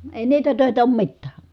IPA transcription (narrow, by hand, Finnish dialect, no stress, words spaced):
eˑi niːtæ tøˑetæ oːm mitːæː